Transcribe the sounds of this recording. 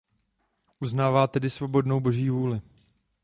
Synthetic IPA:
ʔuznaːvaːt̪ɛdɪsvo̞bo̞dno̞wbo̞ʒiːvuːlɪ

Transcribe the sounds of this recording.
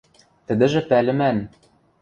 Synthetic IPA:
t̪ɘ̆d̪ɘ̆ʒɘ̆pælɘ̆mæn

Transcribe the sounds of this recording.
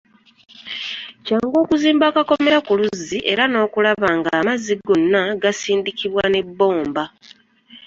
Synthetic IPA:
caːŋɡo̞ːkuziːmbaːkako̞me̞ɾakuluziʔe̞̰ɾano̞ːkulaβaːŋɡaːmaziɡo̞nːaɡasiːndikiβwane̞bːo̞ːmba

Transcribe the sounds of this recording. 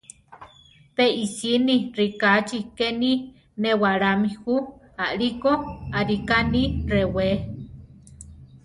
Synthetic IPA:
peisinirikat͡ʃikeni | newaɾamihu | aʔɾikoaɾikanirewe

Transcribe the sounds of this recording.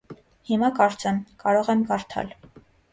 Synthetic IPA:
himɑkɑɾt͡sɛmkɑɾɔʁɛmkɑɾt̪ʰɑ̰l

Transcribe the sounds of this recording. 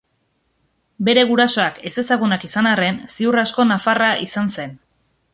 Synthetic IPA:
be̞ɾe̞ɣuɾaso̞ake̞se̞saɣunakisanare̞nsiurasko̞nafaraʔisanse̞n

